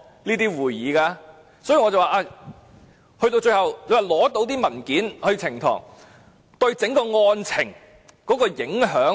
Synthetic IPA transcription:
niː˥t̪iː˥wuː˨˩jjiː˨˧kaː˧ | sɔː˨˥ji˨˧ŋɔː˨˧t͡sɐ˨˩waː˨˩ʔaː˧˩ | hɵ˧ɥt̪o˧wt͡ʃɵ˧ɥhɐ˨˩we˨˧˥waː˨˩lɔː˨˥t̪o˨˧wt̪iː˥mɐ˨˩nkiː˨˥nhɵ˧t͡sʰɪ˨˩ŋt̪ʰɔ̰ː˨˩ŋ | t̪ɵ˧ɥt͡sɪ˨˥ŋkɔː˧ŋɔː˧nt͡sʰɪ˨˩ŋ | kɔː˨˥kɔː˧jɪ˨˥ŋɦœː˨˥ŋ

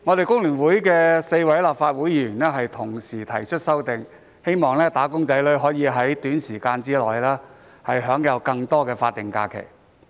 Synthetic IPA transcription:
ŋɔː˨˧t̪e˨jkʊ˥ŋlyː˨˩nwuː˨˥jkɛː˧se˧jwɐ˨˥jlaː˨p̚faː˧t̚wu˨˥jiː˧jyː˨˩nlɛː˥ɦɐ˨jt̪ʰʊ˨˩ŋsiː˨˩t̪ʰɐ˨˩jt͡ʃʰɵ˥t̚sɐ˥wt̪ɪ˨ŋ | he˥jmɔː˨˩ŋlɛː˥t̪aː˨˥kʊ˥ŋt͡sɐ˨˥jlɵ˨˥ɦɔː˨˥jiː˨˧ɦɐ˨˥jt̪yː˨˥nsiː˨˩kaː˧nt͡siː˥lɔː˨jlaː˥ | hɐ˨jɦœː˨˥ŋjɐ˨˧wkɐ˧ŋt̪ɔː˥kɛː˧faː˧t̚t̪ɪ˨ŋka̰ː˧kʰḛ˨˩j

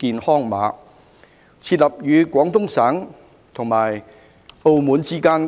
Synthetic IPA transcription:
kiː˧nhɔː˥ŋma̰ː˨˥ | t͡sʰiː˧t̬̚lɐ˨p̚jyː˨˧kʷɔː˨˥ŋt̪ʊ˥ŋsaː˨˥ŋ | t̪ʰʊ˨ŋmaː˨˩j | o˧wmuː˨˧nt͡siː˥kaː˥n

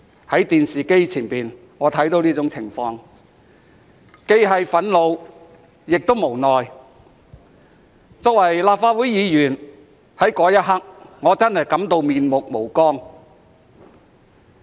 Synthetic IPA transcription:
hɐ˨˥jt̪iː˨nsiː˨˩ke˥jt͡sʰiː˨˩npiː˨˩n | ŋɔː˨˧t̪ʰɐ˨˥jt̪o˨˥wnliː˥t͡sʊ˨˥ŋt͡sʰɪ˨˩ŋfɔː˧ŋ | ke˥jɦɐ˨˧jfɐ˨˥nlo˨˧w | jɪ˨k̚t̪o˥wmo˨˩wnɔː˨j | t͡sɔː˨˧k̚wɐ˨˩jlaː˨p̚faː˧t̚wuː˨˥jjiː˨˧jyː˨˩n | hɐ˨˥jkɔː˨˥jɐ˥t̚ɦɐ˥k̚ŋɔː˨˧t͡sɐ˥nhɐ˨jkɐ˨˥mt̪o˧wmiː˨nmʊ˨k̚mo˨˩wkɔː˥ŋ

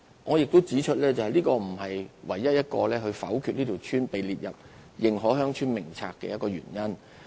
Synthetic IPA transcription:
ŋɔː˨˧jɪ˨k̚t̪o˥wt͡siː˨˥t͡ʃʰɵ˥t̚lɛː˥t͡sɐ˨whɐ˨jliː˥kɔː˧m̩˨˩hɐ˨jwɐ˨˩jːɐ˥t̚jɐ˥t̚kɔ̰ː˧lɛː˥hɵ˧ɥfɐ̰˨˥wkʰyː˨˧t̚niː˥t̪ʰi˨˩wt͡ʃʰyː˥npe˨jliː˨t̚jɐ̰˨p̚jɪ˨ŋɦɔː˨˥ɦœː˥ŋt͡ʃʰyː˥nmɪ˨˩ŋt͡sʰa̰ː˧kːɛ̰˧jɐ˥kɔː˧ɥy̰ː˨˩njɐ˥n

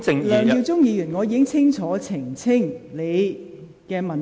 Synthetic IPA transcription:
ŋlœː˨˧ŋjiː˧wt͡sʊ˥ŋjiː˨˧jy˨˩nŋɔː˨˧jiː˨˧kɪ˥ŋt͡sʰɪ˥ŋt͡sʰɔː˨˥t͡sʰɪ˨˩ŋt͡sʰɪ˥ŋle˨˧j | kɛː˧mɐ˨˩n

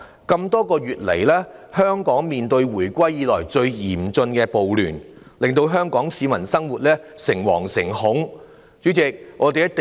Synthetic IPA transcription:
kɐ˧mt̪ɔː˥kɔː˧jyː˨t̚le˨˩jlɛː˥hœː˥ŋkɔː˨˥ŋmiː˨nt̪ɵ˧ɥwuː˨˩jkʷɐ˥jːiː˨˧lɔː˨˩jt͡ʃɵ˧ɥjiː˨˩mt͡sɵ˧nkɛː˧po˨wlyː˨˩n | lɪ˨ŋt̪o˧wɦœː˥ŋkɔː˨˥ŋsiː˨˧mɐ˨˩nsɐ˥ŋwuː˨t̚lɛː˥sɪ˨˩ŋwɔ̰ː˨˩ŋsɪ˨˩ŋhʊ˨˥ŋ | t͡ʃyː˨˥t͡sɪ˨k̚ŋɔː˨˧t̪e˨jɐ˥t̚t̪

